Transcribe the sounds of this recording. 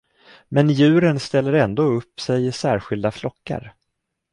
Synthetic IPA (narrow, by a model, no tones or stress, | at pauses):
mɛnjʉ̟ːɾənst̪ɛlːəɾɛnd̪oːɵpːsɛjɪsæːɾɧɪld̪aflɔkːa̰ɾ